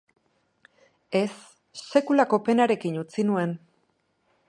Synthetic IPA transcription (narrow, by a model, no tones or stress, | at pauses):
e̞sː | e̞kulako̞pe̞naɾe̞kinut͡sinue̞n